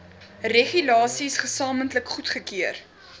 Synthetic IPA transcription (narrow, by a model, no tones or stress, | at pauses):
reχylɑːsisχəsɑːməntləkχutχəkiər